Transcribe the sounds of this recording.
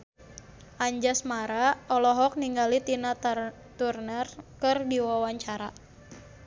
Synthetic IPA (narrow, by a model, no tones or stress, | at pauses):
ʔaɲd͡ʒasmaɾaɔlɔɦɔk̚niŋɡalit̪ina | t̪urnərkɨrdiwawaɲt͡ʃaɾa